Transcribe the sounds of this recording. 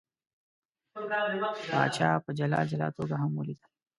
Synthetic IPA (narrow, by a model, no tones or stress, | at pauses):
ba̰ːt͡ʃaːpəd͡ʒɐla̰ːd͡ʒɐla̰ːt̪oːɡaɦɐmwolid̪a